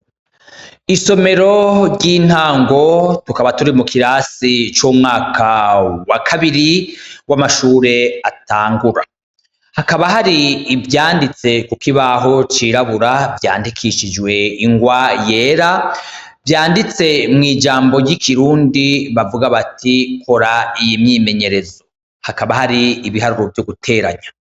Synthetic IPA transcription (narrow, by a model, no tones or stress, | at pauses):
iso̞me̞ɾo̞ɾɟiːn̥haːŋɡo̞tukaβatuɾimukʰiɾaːsit͡ʃoːmŋaːkʰawakʰaβiɾiwamaʃuːɾe̞ataːŋɡuɾa̰ | hakaβaɦaɾiːvjaːndit͡se̞kukiβaɦo̞t͡ʃiɾaβuɾavja̰ːndikʰiʃid͡ʒɡwe̞iŋɡwaje̞ːɾa | vjaːndit͡se̞mŋiːd͡ʒaːmbo̞ɟikʰiɾuːndiβavuɡaβatʰikʰo̞ɾaijimɲiːme̞ɲe̞ɾe̞zo̞ | hakaβahaɾiːβiɦaɾuɾo̞vjo̞ɡutʰe̞ːɾaɲa